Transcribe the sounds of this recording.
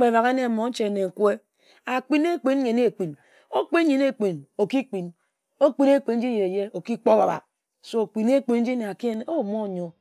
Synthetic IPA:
k͡pe˨ba˨ɣe˦ne˦˨mo˨˦n̩˦t͡ʃe˨ne˨ŋ̩˨kwe˦ | a˨k͡pi˦ne˦k͡pi˦n˦ɲe˨ne˦˨k͡pi˨n | o˦k͡pi˦n˦ɲi˨ne˦˨k͡pi˨no˨ki˦k͡pi˨n | o˦k͡pi˦ne˦˨k͡pi˨n̩˦d͡ʒi˦je˨e˨je˦o˨ki˦k͡po˦ba˨ba̰˨ | so˦o˨k͡pi˨ne˦k͡pi˨n̩˦d͡ʒi˦ne˨a˨ki˦e˦n˦o˦˨mo˦˨ɲo˦˨

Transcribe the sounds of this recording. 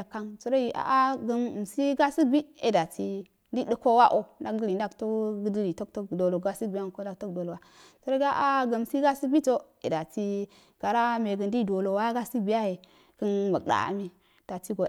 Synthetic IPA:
ka˦ŋt͡su˦ɾo˦ji˨ʔa̰˨ʔa˦ɡə˦n˨si˦ɡa˦si˦bi˦ḛ˦da˨ti˦ | di˦ɗə˦ko˦wa˦ʔo˦na˦k̚ɡli˨n˦da˦kto˦ɡdi˦li˨to˦kto˦kdo˨lo˨ɡa˦si˦bi˨ja˦˨ko˦n˦da˨k̚to˦kdo˨lo˨wa˦ | tu˦ɾo˦ɡa˦ʔa˦ɡə˨m˨si˦ɡa˦si˦bi˦to˦ | ḛ˨da˨ti˦ | ɡ̥a˨ɾa˦me˨ɡə˨ndi˦do˨lo˨wa˦ɡa˦si˦bi˨˦ja˦he˨ | kə˦nmə˨ɗa̰˨a̰˨mi˦ | d̥a˨ti˦ɡo˨

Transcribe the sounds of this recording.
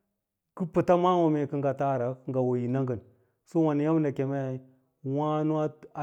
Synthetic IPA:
ki˦pu˨ta˦ma˦wo˨me˨ki˦ŋɡa˨ta˦˨ɾa˨kŋɡa˨wo˨ji˨na˦ŋɡə˨n | su˦wa˨ni˨ja˦m˦nda˨ke˨ma˦j | wa˦nu˦a˦a˨

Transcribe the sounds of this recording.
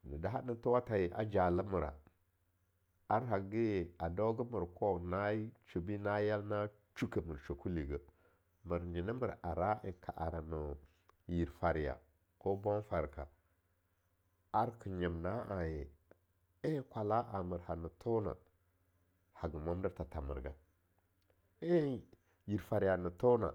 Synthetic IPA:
nə˨da˨˦ɦa˦nə˦tu˦wa˦ta˨je˨ʔa̰˦d͡ʒa˨lə˦mə˨ɾa̰˨ | a˦ɾɦa˨ɡə˦je˨a˨do˦ɡə˦mə˨ɾkʰo˦na˦t͡ʃu˨bi˦na˦ja˦lna˦ | t͡ʃu˦kə˨mə˨ɾt͡ʃo˨ku˦li˨ɡə˦ | mə˨ɾd͡ʒi˨nə˦mə˨ɾa˨ɾa˦i˨kʰa˨ʔa̰˨ɾa˨nə˨ | ji˨ɾfa˨ɾja̰˨ | ko˦bo˦nfa˨ɾka˨ | a˦ɾkə˨ɲə˨mna˦ʔa˨je˨ | e˦kʷa˨la˦ʔa˨mə˨ɾha˨nə˨tʰo˦na̰˨ | ha˨ɡə˨ma˦m˦də˦ɾta˨ta˨mə̰˨ɾɡa˦ | e˦ | ji˨ɾfa˨ɾi˨ja˨nə˨to˦na̰˨

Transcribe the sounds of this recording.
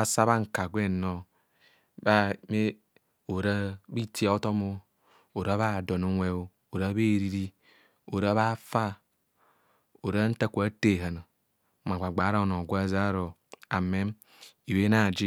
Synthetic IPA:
a˨sa˦βa˦ŋ̩˨ka˨ɡʷe˦˨no˨ | ba˦me˦ | o˨ɾa˦bi˦ti˦a˨˦o˦to˦mo˦ | o˨ɾa˦βa˦˨do˨no˦ŋʷe˦o˦ | o˨ɾa˦βe˦˨ɾi˦ɾi˦ | o˨ɾa˦βa˦fa˦ | o˨ɾa˦n̩˦ta˦ku˨a˦te˦˨ɦa˨no˨ | m˨a˨ɡ͡ba˨ɡ͡ba˨˦ɾa˦˨no˨ɡʷa˦za˦ɾo˨ | a˨me˦m | i˨we˦na˦˨d͡ʒi˦

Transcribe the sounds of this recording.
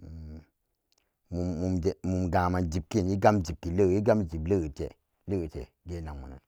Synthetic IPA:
muː˨u˨md͡ʒe˨mu˨mɡã˨ma˨d͡ʒi˨p̚ki˦˨ni˦ɡa˦md͡ʒi˨b̚ki˨lə˦˨ji˦ɡa˦m˦˨d͡ʒi˨blə˦˨ə˨tɛ̰˨ | lə˦ə˨tɛ̰˨ | ɡe˦na˨ŋmṵ˨na̰˨n

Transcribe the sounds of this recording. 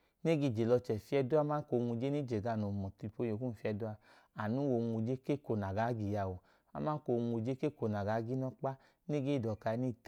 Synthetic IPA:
ne˦ɡi˧˨d͡ʒe˨lɔ˧t͡ʃɛ˨fi˧˦ɛ˧du˦a˧˦ma˦ko˧˨˧ŋu˧d͡ʒe˦ni˦d͡ʒe˨ɡa˧˨no˨mɔ˨ti˧po˧˦jo˨ku˦n̩˨fi˦˧ɛ˧du˦a˧ | a˨nu˦wo˧ŋʷu˧d͡ʒe˦ke˦ko˧na˨ɡa˨˦ɡi˧˨ja˧˨wo˨ | a˧˦ma˦ko˧˨˧ŋʷu˧d͡ʒe˦ke˦ko˧˨na˨ɡa˨˦ɡi˦nɔ˦k͡pa˦ | ne˦ɡe˦i˦˨dɔ˨ka˨˧i˧˦ni˦˨t

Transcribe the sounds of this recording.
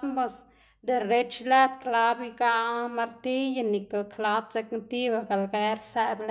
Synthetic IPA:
t̪mbo˧s | d̪e˨re˦t͡ʃla˦t̪kla˧bikaʔma˧ɾt̪i˦janikakʰla˦t̪̚t͡se˧knt̪i˦baɡa˨lɡe˦ɾsebl

